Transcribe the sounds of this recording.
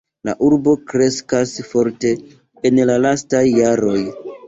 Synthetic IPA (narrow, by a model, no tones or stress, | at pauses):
la̰ʔuɾbo̞kɾe̞skasfo̞ɾte̞ː | nlalastajːaɾo̞j